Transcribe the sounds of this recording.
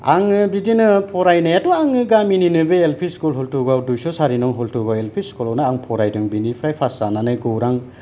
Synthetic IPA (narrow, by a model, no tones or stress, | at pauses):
aŋɯbidinɯpʰɔɾajnajadɔaŋɯɡamininɯbeelpʰiskulɦɔltuɡawdujsɔsaɾinɔwɦɔltʰuɡawelpʰiskulawnaaŋpʰɔɾajdɯŋbinipʰɾajpʰasananajɡɔwɾaŋ